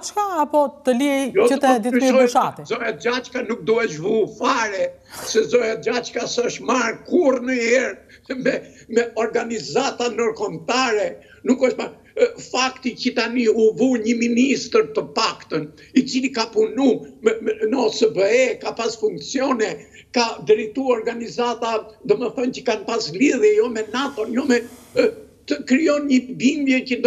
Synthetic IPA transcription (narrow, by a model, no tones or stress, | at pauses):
t͡ʃkaapɔt̪əlijɔtəət̪ɛd̪iɔjʃat̪izɔjad͡ʒat͡ʃkanuk̚d̪uɛʃvufaɾɛ | sɛzɔjad͡ʒat͡ʃkasɛəʃt̪maɾkurnəjɛɾmɛ | mɛɔɾɡanizat̪anɔɾkɔmt̪aɾɛ | nukəʃt̪maɾ | fakt̪icət̪aniuvuɲəminist̪əɾt̪əpakt̪ən | it͡silikapunumnəɔsəbəɛkapasfuŋkt͡siɔnɛ | kad̪ɾit̪uaɾɡanizat̪ad̪ɔməθəncəkanpasliðjɛjɔmɛnat̪ɔnjɔmɛ | t̪əkɾijɔnɲəbimbjɛcəd̪